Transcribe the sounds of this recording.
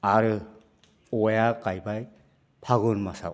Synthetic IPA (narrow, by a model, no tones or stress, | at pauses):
aɾɯ | ɔjakajbaj | pʰaɣɯnmasa̰w